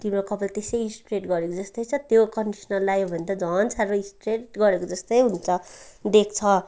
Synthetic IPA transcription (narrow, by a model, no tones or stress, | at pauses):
t̪imɾokʌpʌlt̪esʌjinspiɾeʈɡʌɾekod͡zʌst̪ʌjt͡sʰʌt̪jokʌnɖisnʌlːajobʱʌnt̪ʌd͡zʌnt͡sʰaɾʌĩnspɾeʈɡʌɾekod͡zʌst̪ʌjɦunt͡sʰʌd̪ek̚ʰt͡sʰʌ